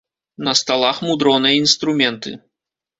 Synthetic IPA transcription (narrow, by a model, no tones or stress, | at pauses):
nɐst̪alˠaxmud̪ɾɔnɨjɐinst̪ɾumʲɛnt̪ɨ̰